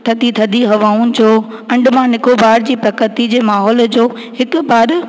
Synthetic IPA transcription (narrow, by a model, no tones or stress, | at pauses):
t̪ʰɐd̪ʱit̪ʰɐd̪ʱiɦɐʋaːʊnɪ̆d͡ʑoː | ɐ̃ɳɖmãnɪkʰobaːɾd͡ʑiːpɾɐkət̪id͡ʑeːmaːɦɔːld͡ʑoː | hɪkʊ̆baːɾ